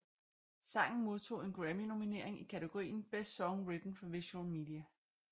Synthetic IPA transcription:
sɑ̈ŋ̰n̩mo̝ð̞ˠt͡sʰo̝̰ːe̝nɡ̥ʁæmino̝mine̝ɐ̰e̝ŋikʰæt͡sʰeɡ̥o̝ʁḭːn̩b̥esd̥sɒ̽ŋʁid̥n̩fɒ̽ʋiɕuulmiːd̥iæ

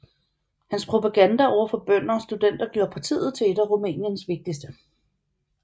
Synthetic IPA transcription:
hænspʰʁo̝pʰæɡ̥ænd̥æɒʊ̰ɐfɒ̽b̥œn̰ɐɒsd̥ud̥en̰d̥ɐɡ̥jo̝ɐpʰɑ̈t͡sʰḭːð̞̩ˠt͡sʰe̝ed̥æʁomɛ̰ːnjənsʋe̝ɡ̥̚d̥isd̥ə

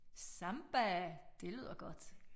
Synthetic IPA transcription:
sɑ̈mb̥æd̥e̝lyð̞̰ˠɐɡ̥ɒ̽d̥

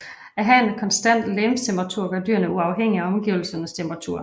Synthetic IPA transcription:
æɦæenkʰɒnsd̥æn̰d̥lemst͡sʰemb̥ʁɑ̈t͡sʰuɐ̰ɡ̥ɑd̥y̰ɐnəuɑ̈ʊɦeŋ̰iæɒ̽mɡ̥iʊl̩sɐnəst͡sʰemb̥ʁɑt͡sʰṵɐ̰

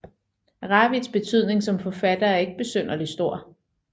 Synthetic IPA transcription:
ʁɑ̈ːʋid̥sb̥e̝t͡sʰyð̞̰ˠne̝ŋsɒ̽mfɒ̽fæd̥ɐæɐe̝ɡ̥əb̥e̝søn̰ɐlisd̥o̝ɐ̰

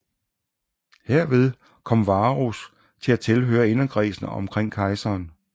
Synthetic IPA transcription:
heɐ̰ʋe̝ð̞ˠ | kʰɒ̽m̰ʋɑ̈ːʁus | t͡sʰe̝læt͡sʰe̝lɦø̰ːɐe̝nɐɡ̥ʰʁḭːsn̩ɒ̽mkʰʁeŋ̰kʰɑ̈ɪsɐːn

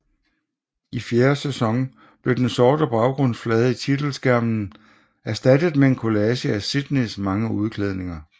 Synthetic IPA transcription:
ifjeːɐsesɒ̽ŋ | b̥le̝d̥ensɒːd̥əb̥ɑ̈ʊɡ̥ʁɔ̽n̰sflɛːð̩ˠit͡sʰid̥l̩sɡ̥æɐ̰mn̩ | æɐsd̥ædəð̩ˠmeenkʰo̝lɛɕəæsid̥nismɑ̈ŋəuð̞ˠkʰleð̞ˠne̝ŋɐ

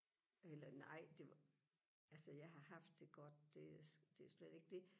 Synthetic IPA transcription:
elɐnɑ̈ɪ̰d̥e̝ | ælsəjɑ̈ɪɦɑ̈hɑ̈fd̥ːe̝ɡ̥ɒd̥̚d̥e̝d̥e̝æsled̥e̝ɡ̥əd̥e̝

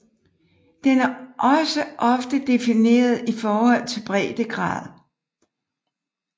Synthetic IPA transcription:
d̥enæɐʔɒ̽səʔɒ̽fd̥əd̥e̝fine̝̰ːɐð̞ˠifɒːhɒ̽l̰t͡sʰe̝lb̥ʁɛ̰ːd̥əɡ̥ʁɑ̰̈ːðˠ

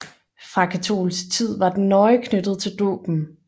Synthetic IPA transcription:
fʁɑ̈kʰæt͡sʰo̝̰ːlsɡ̥t͡sʰið̞̰ˠʋɑ̈d̥ennːɒ̽ɪkʰnød̥ð̩ˠt͡sʰe̝ld̥ɔ̰ːb̥n̩

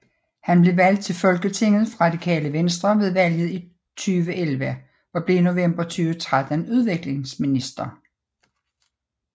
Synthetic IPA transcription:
hænb̥le̝ʋæl̰d̥̚t͡sʰe̝lfɒ̽lɡ̥ət͡sʰe̝ŋ̰ð̩ˠfʁɑ̈d̥ikʰɛ̰ːləʋensd̥ʁɐʋe̝ðˠʋæl̰jð̞̩ˠi | t͡sʰyːʋəʔelʋə | ɒ̽b̥le̝ino̝ʋem̰b̥ɐt͡sʰyːʋət͡sʰʁad̥ənuð̞ˠʋe̝ɡ̥le̝ŋsminisd̥ʁɐ

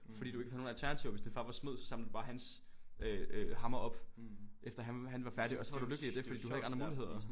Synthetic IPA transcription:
fɒ̽dḭːd̥ueɡ̥æhð̩ˠno̝ːnælt͡sʰæɐnæt͡sʰiʊɐʋe̝sd̥infɑ̈ːʋɑ̈smo̝ð̰ˠsɒ̽sɑ̈ml̩d̥ub̥ɑ̈ːɦæns | øhɑ̈mɐɒ̽b̥ʔefd̥ɐɦæhænʋɑ̈fæɐɾ̥iɒ̽sɒ̽ʋɑ̈ɾ̥uløɡ̥əliæd̥e̝fɒd̥ḭːduhæð̩ˠeɡɑndʁɐmuːlie̝ð̞̰ˠɐ

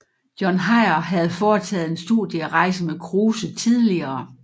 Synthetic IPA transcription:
jɒnɦɑ̈ɪɐɦæð̞̩ˠfɒːt͡sʰɛ̰ːð̞̩ˠe̝nsd̥ṵðˠjəæʁɑ̈ɪsəmekʰʁuːsət͡sʰið̞ˠliɐː

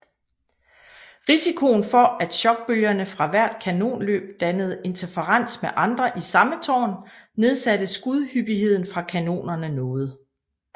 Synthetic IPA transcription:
ʁisikʰo̝ːn̩fɒ̽ʔæd̥ɕɒ̽ɡ̥̚b̥øljɐnəfʁɑ̈ʋæɐ̰d̥kʰæno̝̰ːnlø̰ːb̥̚d̥ænəð̞̩ˠe̝nt͡sʰefʰəʁɑn̰smeʔɑ̈nd̥ʁɐʔisɑ̈mət͡sʰɒ̰ːnne̝ð̞ˠsæɾ̥əsɡ̥uð̞ˠhyb̥ihe̝ð̞̰ˠn̩fʁɑ̈kʰæno̝̰ːnɐnənɔ̽ːð̞̩ˠ

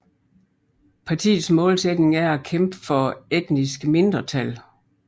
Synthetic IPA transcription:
pʰɑ̈t͡sʰḭːð̩ˠsmɔ̽ːlsed̥ne̝ŋæɐækʰemb̥əfɒ̽ed̥nisɡ̥əme̝nd̥ʁɐt͡sʰæl

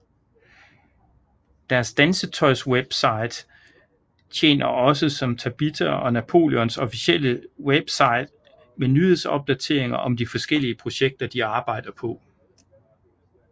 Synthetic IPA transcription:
d̥æɐsd̥ænsət͡sʰɒ̽ɪsweb̥sɑ̈ɪd̥ | t͡ɕʰḛːnɐʔɒ̽səsɒ̽mt͡sʰæb̥it͡sʰɐɒ̽næpʰo̝̰ːljɒnsɒ̽fisel̰əweb̥sɑ̈ɪd̥ | menyðeðˠsɒ̽b̥̚d̥æt͡sʰe̝ɐe̝ŋɐʔɒ̽md̥ifɒ̽sɡ̥el̰iəpʰʁo̝ɕeɡ̥̚d̥ɐd̥iɑ̈ːb̥ɑ̈ɪ̰d̥ɐpʰɒ̽

